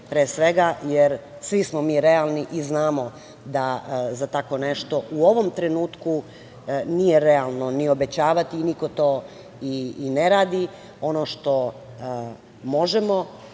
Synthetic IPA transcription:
pɾeːsʋe̞ɡajeɾ | sʋismomiːɾealˠniʔiznaːmo̞ | d̪azat̪ako̞neʃt̪o̞ʔuo̞ʋomt̪ɾe̞nuːt̪ku | nijeɾealˠnonio̞be̞t͡ɕaːʋat̪iniko̞t̪oː | iːneɾaːd̪i | o̞noʃt̪o̞ | mo̞ʒemo̞

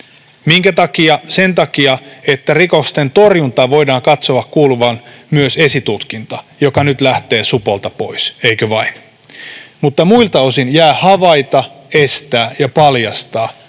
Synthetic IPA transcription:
miŋkæt̪ɑkiɑsent̪ɑkiɑet̪ːærikost̪ent̪orjunt̪ɑʋo̞idɑːŋkɑt̪soɑkkuːluʋɑnmyøsesit̪ut̪kint̪ɑjokɑnyt̪læht̪e̞ːsupolt̪ɑpo̞̰iseikøʋɑin | mut̪ːɑmuilt̪ɑosinjæːhɑʋɑit̪ɑest̪æːjɑpɑljɑst̪ɑː

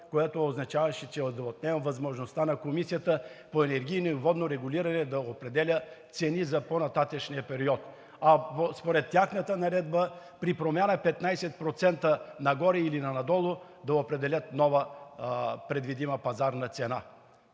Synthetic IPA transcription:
kojat̪ooznɐt͡ʃavɐʃɛt͡ʃɛod̪ɐot̪nɛvmvɐzmoʒnost̪anɐkomisijət̪əpoɛnɛɾɡʲijnoivɔd̪noɾɛɡʊliɾɐnɛd̪ɐopɾɛd̪ɛlʲət̪sɛnizɐponɐt̪at̪əʃniəpɛɾiɔt̪ | ɐpospoɾɛt̪ːaxnət̪ənɐɾɛd̪bə | pɾipɾomʲjanəpɛt̪najsɛt̪̚pɾot̪sɛnt̪ənɐɡɔɾɛilinɐnɐd̪ɔlˠo | d̪ɐopɾɛd̪ɛlʲət̪nɔvə | pɾɛd̪vid̪iməpɐzaɾnɐt̪sɛna

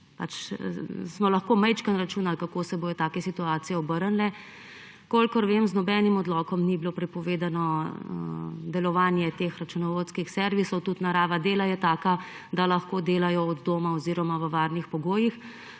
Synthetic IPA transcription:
pat͡ʃ | smɔlɐxkoːmɛjt͡ʃkənɾat͡ʃuːnalkakoːsɛboːjɔt̪aːkɛsit̪uaːt̪sijɛɔbəɾənlɛ | kolkɔɾʋemznɔbɛːnimɔd̪lɔkɔmnibiloːpɾɛpɔʋeːd̪anɔ | d̪ɛlɔʋaːnjɛt̪eːxɾat͡ʃunɔʋot̪skixsɛɾʋisɔwt̪ut̪naɾaːʋad̪eːlajɛt̪aːka | d̪alɐxkoːd̪eːlajɔɔd̪d̪oːmaɔziːɾɔmaʋəʋaːɾnixpɔɡoːjix

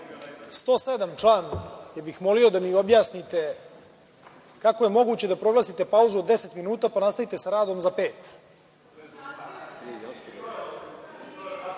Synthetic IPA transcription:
st̪o̞ːsed̪amt͡ʂlaːnjebixmo̞liod̪amio̞bjaːsnit̪e̞ | kakoje̞mo̞ɡuːt͡ɕe̞d̪apɾo̞lˠaːsit̪e̞pauzuod̪ːe̞se̞t̪minuːt̪apanast̪ait̪e̞saɾaːd̪o̞mzape̞ːt̪

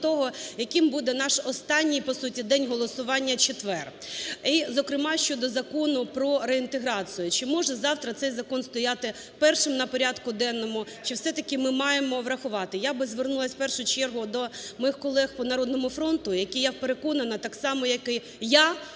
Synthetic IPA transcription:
t̪ɔɦɔjɐkɪmbud̪ɛnɑʃɔst̪ɑnʲːijpɔsutʲid̪ɛnʲɦɔlˠɔsʊʋɑnʲːɐt͡ʃet̪ʋɛr | izɔkɾɪmɑʃt͡ʃɔd̪ɔzɐkɔnʊpɾɔɾeint̪eɦɾɑt͡sʲʊjʊt͡ʃɪmɔʒɛzɑwt̪ɾɐt̪sɛjzɐkɔnst̪ɔjɑt̪ɪ | pɛrʃɪmnɐpɔɾʲɑd̪kʊd̪ɛnːɔmʊ | t͡ʃɪwsɛt̪ɐkɪmɪmɑjemɔʋɾɐxʊʋɑt̪ɪjabɪzʋernulˠɐsʲpɛrʃʊt͡ʃɛrɦʊd̪ɔmɔjixkɔlˠɛxpɔnɐɾɔd̪nɔmʊfɾɔnt̪ʊjɐkijawpeɾekɔnɐnɐt̪ɑksɑmɔjɐkɪ | ja

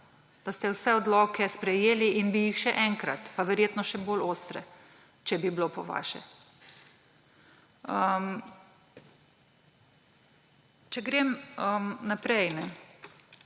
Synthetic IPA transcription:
d̪̥ast̪ɛwsɛɔd̪lɔːkɛspɾɛjeːliʔinbijixʃɛʔɛŋkɾat̪paʋɛɾjeːt̪nɔʃɛboloːst̪ɾɛ̰ | t͡ʃɛbiblopɔʋa̰ʃɛ̰ | əm | t͡ʃɛɡɾeməmnapɾɛjnɛ

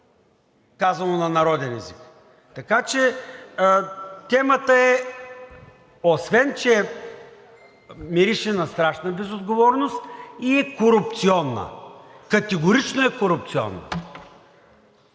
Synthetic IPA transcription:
kazvɐnonɐnɐɾɔd̪ɛnɛzik | t̪ɐkat͡ʃɛ | t̪ɛmət̪əɛ | osvɛnt͡ʃɛ | miɾiʃɛnɐst̪ɾaʃnəbɛzod̪ɡovɔɾnost̪iɛkoɾʊp̚t̪siɔnːə̰kɐt̪ɛɡoɾit͡ʃnoɛkoɾʊp̚t̪siɔ̰nːə̰

